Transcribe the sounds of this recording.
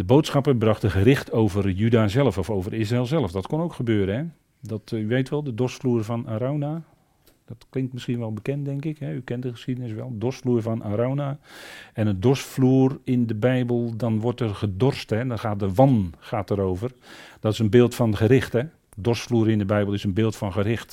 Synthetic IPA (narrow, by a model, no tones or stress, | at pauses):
dəboːtsxɑpəbrɑxtəɣəɾɪxtʰowvərjydaːzɛlˠəfɔfowvərɪs̬raeːlˠzɛlˠəfdɔtkonowkxəbøːɾəɦɛ | dɔtyʋejtʋɛlˠdədɔsfluːrvɔnaːɾowna | d̥ɔtklɪŋk̚tmɪsxiənʋɛlˠbəkɛntdɛŋkɪkɦɛykɛntdəxə̥sxidənɪsʋɛlˠədɔstfluːrvɔnʔaɾonaɛnədɔrsfluːərɪndəbɛjbəlˠdɔnʋɔrtərχədɔrstɦɛdɔnxaːt̚dəʋɔnχaːtəɾowvərd̥ɔtɪsənbɪːlˠtfɔnχəɾɪxtɛ | dɔrstfluːɾɪndəbɛjbəlˠɪsənbɪːlˠtfɔnɣəɾɪxt